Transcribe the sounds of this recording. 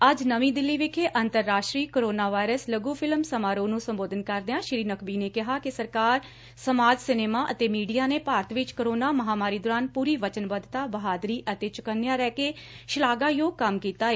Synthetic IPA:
əd͡ʒnəʋĩːd̪ɪlːiːʋekʰeːʔənt̪əɾːaːʃʈɾiːkoːɾoːnaːʋaːɪɾəsləɡuːpʰɪlmsəmaːɾoːnũːsəmboːd̪ənkəɾd̪eãːʃɾiːnəkʰbiːneːkɪɦaːkɪsəɾkaːɾ | səmaːd͡ʒsɪneːmaːʔət̪eːmiːɖijaːneːpaːɾət̪ʰʋɪt͡ʃkəɾoːnaːməɦaːmaːɾiːd̪oːɾaːnpuːɾiːʋət͡ʃənbəd̪t̪aːbəɦaːd̪ɾiːʔət̪eːt͡ʃʊkənːjãːɾɛːkeː | ʃɪlaːɡaːjoːɡ̚kəmkiːt̪aːeː

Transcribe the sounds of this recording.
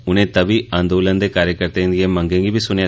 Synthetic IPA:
ʊnẽːt̪ɐbiɐnd̪oʊlɐnd̪ekaːɾjɐkɐɾt̪ɐɪ̃nd̪ɪjemɐŋɡeːŋɡiʋisʊnea

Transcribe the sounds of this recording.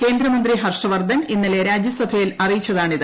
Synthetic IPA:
ke̞ːnd̪ɾɐmɐnd̪riɦɐrʂɐʋɐrd̪ʱɐninːile̞ɾaːd͡ʑjɐsɐbʱɐjilɐrijit͡ɕːɐðaːɳiðɨ

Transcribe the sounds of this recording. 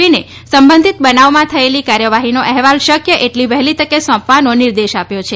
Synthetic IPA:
ine | səmbə̃nd̪ʱit̪̚bənaʋmãt̪ʰəelikaɾjəʋaɦinoʔɛɦʋalʃəkjəʔeʈliʋɛɦlit̪əkːesɔ̃pʋanonɪɾd̪eʃapjot͡ʃʰe

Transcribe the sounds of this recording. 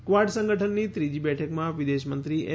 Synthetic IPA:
kʋaʈsə̃ŋɡəʈʰənːit̪ɾid͡ʒibɛʈʰəkmãʋid̪eʃmənt̪ɾiʔe

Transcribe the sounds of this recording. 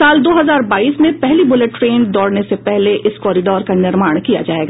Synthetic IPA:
aːld̪oːɦɐzaːɾbaːiːsmẽpɛɦlibʊleʈːɾeːnd̪ɔːɽnesepɛɦleʔʔɪskɔːɾɪɖɔːɾkanɪɾmaːɽ̃kija̰d͡ʒa̰ːeːɡaː

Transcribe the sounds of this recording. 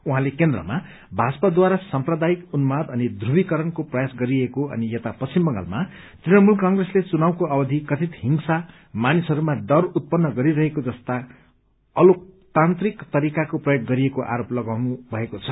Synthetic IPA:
uɦãlekend̪rʌ̰ma | bʱat͡sʌpad̪waɾasʌmprʌd̪ajikunumad̪ʌnid̪ʱrubikʌɾʌnkoprʌjasɡʌɾiekoʌ̰nijet̪apʌst͡simbʌŋɡa̰lma | t̪rinʌmulkʌŋɡreslet͡sunawkoʌbʌd̪ʱikʌt̪ʰit̪ɦiŋsa | manisʌɾumad̪ʌrut̪̚pʌnːʌɡʌɾiɾʌɦekod͡zʌst̪a | ʌlok̚t̪ant̪rikt̪ʌɾikakoprʌjoɡ̚ːʌɾiekoʔa̰ɾoplʌɡawnubʱʌekot͡sʰʌ̥

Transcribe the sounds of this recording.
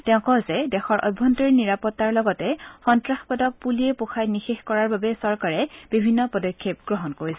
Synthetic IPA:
tɛʊ̃kɔzɛdɛxɔɹʔɔ̰jbʱːɔntɔɹiniɹapɔtːaɹlɔɡɔtɛxɔntɹaxpɔdɔk̚puliepoxʰajnixexkɔɹaɹbabɛsɔɹkaɹɛbibʱinːɔpɔdɔkʰːep̚ɡɹɔɦɔnkoɹisɛ

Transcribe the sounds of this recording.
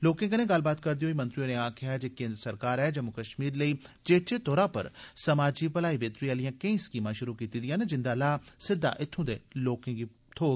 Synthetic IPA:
loːkẽːkənẽːɡəlbaːt̪kəɾd̪iɦoːiːmə̃nt̪ɾioːnẽːãːkʰɪjaːd͡ʒeːkẽːnd̪ɾəsəɾkaːɾɛːd͡ʒəmʊkəʃmiːɾləiːd͡ʒeːt͡ʃeːt̪oːɾaːpə̰ɾsəmaːd͡ʒiːpəlaːiːbeːt̪ɾiːaːlɪjãːkəĩːskiːmãːʃʊɾuːkiːt̪iːd̪ɪjãːned͡ʒɪnd̪aːlaːsɪd̪ːa̰ːʔɪt̪ʰːũːd̪ḛːloːkẽːɡi | t̪ʰoː

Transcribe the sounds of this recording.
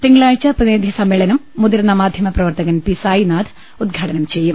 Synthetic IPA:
t̪iŋːɐɭaːɻt͡ɕːɐpɐneːd̪ʱjisɐmːeːɭɐnɐmːud̪iɾnːɐmaːd̪ʱjɐmɐprɐʋɐrt̪ɐɣɐnpisaːjinaːd̪ | ud̪ɡʱɐʈɐnɐmt͡ɕejːum

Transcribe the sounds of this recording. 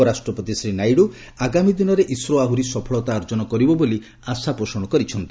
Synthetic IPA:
ɔɾasʈɾɔpot̪isɾinajɽu | aɡamid̪inɔɾeʔisɾoaɦuɾisɔpʰɔɭɔt̪aːɾd͡ʒɔnɔkɔɾibɔboli | asapɾosɔɽ̃ɔkɔɾit͡ʃʰɔnt̪i̥

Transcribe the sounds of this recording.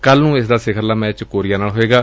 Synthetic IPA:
kəlnũːɪsd̪aːsɪkʰəɾlaːmɛ̃ːt͡ʃkoːɾɪjaːnaːlɦoeːɡaː

